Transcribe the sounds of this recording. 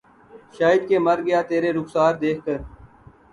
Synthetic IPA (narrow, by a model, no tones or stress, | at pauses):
ʃaːɪd̪̚keːməɾɡəjaːt̪eːɾeːɾʊksaːɾd̪eːkʰkəɾ